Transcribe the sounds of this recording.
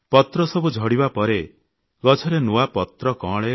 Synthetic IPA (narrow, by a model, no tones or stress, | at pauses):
pɔt̪ɾɔsɔbud͡ʒʱɔɽibapɔɾe | ɡɔt͡ʃʰɔɾenuapɔt̪ɾɔkɔ̃ɭe